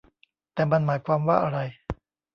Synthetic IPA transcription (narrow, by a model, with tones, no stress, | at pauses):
t̪ɛː˨˩ma˧nmaː˩˦jkʰwaː˧mwaː˥˩ʔa˧ɾa˧j